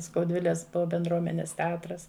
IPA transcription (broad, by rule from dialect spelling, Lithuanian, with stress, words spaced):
skɐʊˈdʲʋʲɪlʲɛs bʲɛnˈdruɔmʲɛnʲɛs tʲɛˈɑːtrɐs